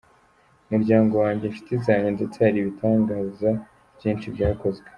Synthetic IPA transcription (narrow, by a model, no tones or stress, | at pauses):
umuɾɟaːŋɡo̞waːɲɟe̞fi̥teizaɲende̞t͡seaɾiβitʰaːŋɡaːza | b̥jiːnt͡ʃibɟaːko̞zɡe